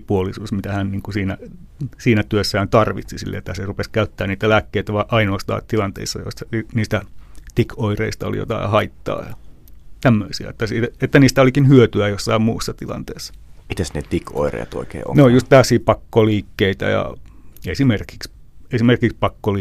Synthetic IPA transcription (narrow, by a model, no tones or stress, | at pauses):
puolisuːsmit̪æhænniːŋkusiːnæ | siːnæt̪yøsːæːnt̪ɑrʋḭt̪sisḭlːḛet̪ːæserupeskæyt̪ːæːniːt̪ælæːkːeit̪æʋɑiʔɑinoːst̪ɑ̰ːtt̪ilɑnt̪ḛisːɑ̰jo̰isɑiniːst̪æt̪ikʰoireist̪ɑo̰lḭjo̰t̪ɑ̰ihɑit̪ːɑ̰ːjɑ | t̪æmːøisiæ̰et̪ːæsiːt̪æet̪ːæniːst̪æolikinhyøt̪yæjosːɑimmuːsːɑt̪ilɑ̰nt̪eːsːɑ̥mit̪æsnet̪ikʰo̰irḛjɑ̰t̪o̰ikḛːo̰neojjust̪t̪æːsˑiːpɑkːoliːkːeit̪æ̰jɑ̰esimerki̥ks | esimerkikspɑkːoli